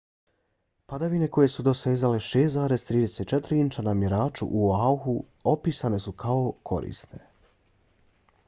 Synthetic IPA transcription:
pad̪aʋine̞ko̞je̞sud̪o̞seːzaleʃeːszaːɾe̞zt̪ɾiːd̪e̞set̪̚t͡ʃet̪ɾiint͡ʃanamjeɾaːt͡ʃṵʔuauxu | opiːsane̞sukʰaokʰo̞̰ɾḭst̪ne̞

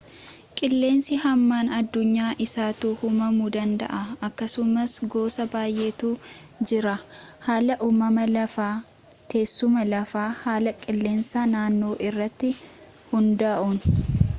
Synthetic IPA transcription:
kʼɪlːe̞ːnsɪhɐmːaːnɐd̪ːʊɲːaːʔɪsaːt̪uːhʊmɐmuːd̪ɐnd̪ɐ̰ʔɐɐkːɐsʊmɐsɡo̞ːsɐbaːjʔeːt̪uː | d͡ʒɪɾɐhaːlɐʔuːmɐmɐlɐfaː | t̪e̞ːsːʊmɐlɐfaːhaːlɐkʼɪlːe̞ːnsaːnaːnːo̞ːʔɪrːɐt̪ːɪ | hʊnd̪ɐʔuːn

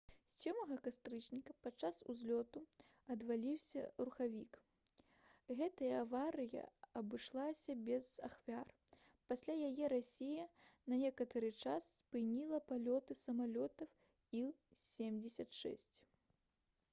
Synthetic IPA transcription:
sʲɔmɐɣɐkast̪ɾɨt͡ʂnʲikɐpatt͡ʂasuzʲlʲɔt̪u | ɐd̪valʲiwsʲɐ̰ruxavʲik | ɣɛt̪ɐjɐːvaɾɨjɐ̰ɐbɨʂlˠasʲɐbʲɛza̰xvʲar | pasʲlʲajajɛɾasʲejɐnɐnʲɛkɐt̪ɐɾɨt͡ʂasːpɨnʲilˠɐpalʲɔt̪ɨsɐmalʲɔt̪ɐw | isʲemd͡zʲɛsʲɐt̪ʂɛ̰sʲt͡sʲ

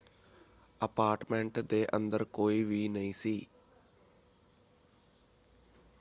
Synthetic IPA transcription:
əpaːɾʈmẽɳʈd̪eːʔə̰̃nd̪əɾkoːiːʋiːnəĩːsiː

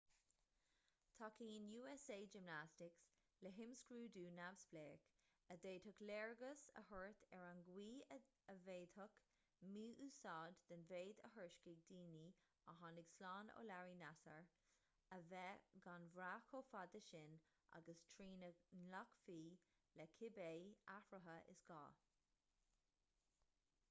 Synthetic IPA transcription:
t̪ʰɔkiːɪnjuːɛseːd͡ʒɪmnastɪks | ləɦɪmskɹuːd̪uːnavsbleːk | əd̪eːd̪həklɛɹɡəsə̰həɹt̪ʰɛɹanɡwiː | əveːd̪hʊk | muːʔusɑːd̪d̪̥ənveːd̪ə̰ɦəɹʃkɪɡ̚d̪iːni | əɦɑnɪɡslɑːno̰ːlaɹiːnasəɹ | əvɛɡanvɾaːkʰofad̪əʃɪn | ʔa̰ɡəstʰɹiːnənakfiː | lɛkʰɪbeːafɹəɦəʔɪ̰sɡ̥ɑ̰ː

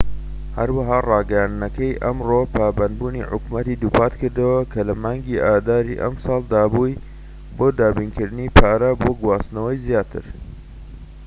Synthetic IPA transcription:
hɐ̰ɾwɐɦaːrɑːɡɐjand̪nɐkɐjʔɐmropʰaːbɐnd̪̚buːnḭħʊ̰kmɐt̪id̪uːpaːt̪kɨɾd̪ɐwɐkʰɐlɐmaːŋɡiʔaːd̪aːɾḭʔɐ̰msɑːlˠd̪aːbuj | boːd̪aːbinkɨɾd̪ɨnipʰaːɾɐboːɡwaːst̪nɐwɐjzjaːt̪ʰɨ̰ɾ

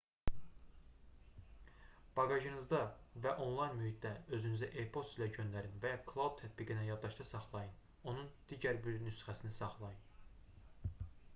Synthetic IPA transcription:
b̥ɑɡɑʒɯnɯzd̪ɑvæʔo̞nlˠɑjnmyhit̪̚d̪æø̞zynyzæʔepʰot̪silæɟø̞nd̪æɾinvæjɑkʰlˠaud̪̚t̪ʰæt̪̚biɡinæjɑd̪ːɑʃt̪ʰɑsɑχlˠɑjɯn | o̞nund̪̥iːɟæɾbiɾnysχæsinisɑχlˠɑjɯn

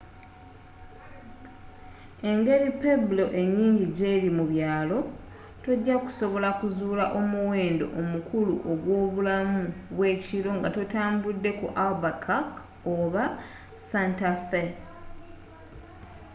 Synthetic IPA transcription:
e̞ŋɡe̞ɾipeblo̞ʔe̞ɲːiːɲɟiɟeɾimuβjaːlo̞ | to̞ɟːaku̥so̞βo̞lakuzuːlaʔo̞muwe̞ːndo̞̰ʔomukuluʔoɡwo̞ːβulamuβwe̞ːciɾo̞ŋɡato̞taːmbudːe̞kṵʔalbakʰak | oβa | santafe

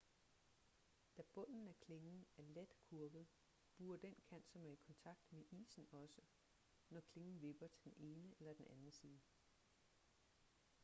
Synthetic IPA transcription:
d̥æb̥ɔ̽n̰n̩æɐkʰle̝ŋn̩æɐled̥kʰuɐɡ̥ð̩ˠ | b̥uːɐd̥en̰kʰæn̰d̥sɒ̽mæɐikʰɒ̽nt͡sʰɑ̈ɡ̥̚d̥meʔḭːsn̩ɒ̽sə | nɒkʰle̝ŋn̩ʋe̝b̥ɐt͡sʰe̝d̥ene̝ːnəelɐd̥enʔænn̩sið̩ˠ

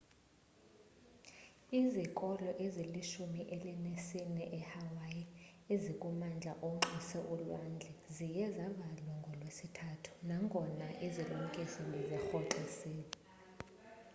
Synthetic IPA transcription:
izikʼɔlɔʔeziliʃumiʔɛlɛnesinɛʔɛhawajiezikʼumand͡ɮʱa̰ʔɔŋ͡ǁisɛʔulwand͡ɮʱɛzijɛzaɓalwɔŋɡʱɔlwesitʰatʰu̥naŋɡʱɔnaʔizilum̩kʼisɔlizɛxɔǃisɛː

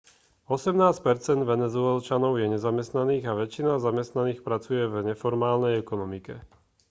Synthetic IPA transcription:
ɔsɛmnaːsc̚pɛɾt͡sɛnd̪ʋɛnɛzʊɛlt͡ʃanɔʊjɛɲɛzamɛst̪naniːɣaʋɛt͡ʃinazamɛst̪naniːxpɾat͡sujɛvɲɛfɔɾmaːlnɛjɛkɔnɔmikɛ

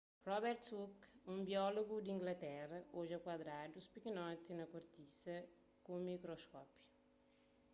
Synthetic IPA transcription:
rɔbɛɾt̪ukũmbiɔloɡud̪ĩŋɡlɐt̪ɛrɐoʒɐkwɐd̪ɾad̪uspikinɔt̪inɐkuɾt̪isɐ | kumikɾoskɔpju̥

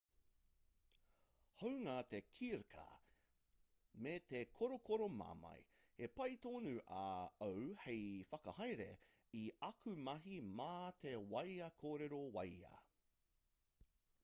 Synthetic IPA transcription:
howŋaːt̪ekʰiɾkʰɐ̰ | met̪ekʰoɾokoɾoma̰ːmɐ̰j | hepɐjt̪oːnʉʔɐɐwhejfɐkɐhɐjɾḛ | iɐkʰʉmɐɦimaːt̪ewɐjɐkʰoːɾeɾowɐjɐ̰

